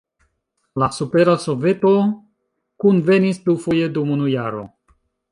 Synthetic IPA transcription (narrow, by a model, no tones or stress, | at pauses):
lasupe̞ɾaso̞ve̞to̞ | kunve̞nispufoje̞dumunujaɾo̞̰